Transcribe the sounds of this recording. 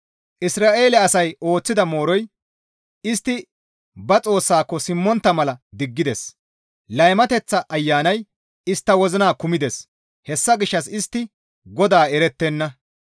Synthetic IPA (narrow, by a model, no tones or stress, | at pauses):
ʔɪsɾaːʔe̞ːlɛɐsɐjo̞ːt͡sːɪd̪ɐmo̞ːɾɔj | ɪst̪ːɪ | bɐt͡sʼo̞ːsːaːkːɔsɪmːɔnt̪ːɐmɐlɐd̪ɪɡːɪd̪ɛs | lɐjmɐt̪ɛt͡sːɐʔːjːaːnɐj | ɪst̪ːɐwɔzɪnaːkʊmɪd̪ɛs | hɛsːɐɡɪʃːɐsɪst̪ːɪ | ɡɔd̪aːɛɾɛt̪ːɛnːɐ